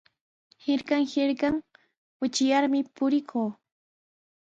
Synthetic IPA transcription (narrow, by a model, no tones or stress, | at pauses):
hɪɾkɑŋhɪɾkɑŋ | wʊt͡ʃɪjaɾmɪpʊɾɪkʰoː